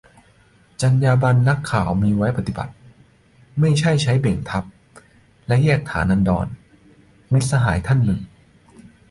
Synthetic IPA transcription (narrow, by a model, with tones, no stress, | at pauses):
t͡ɕa˧njaː˧ba˧nːa˦˥kʰːaː˨˩wmiː˧wa˦˥jpa˧t̪i˨˩ba̰˨˩t̪̚ | ma˥˩jt͡ɕʰa˥˩jt͡ɕʰa˦˥jbe˨˩ŋt̪ʰa˦˥p̚ | lɛ˦˥jɛː˥˩k̚t̪ʰa̰ː˩˦nːʔa˧ndɔ̰ː˧n | mi˦˥t̪̚sa˧ɦaː˩˦jt̪ʰa˥˩nːɯ˨˩ŋ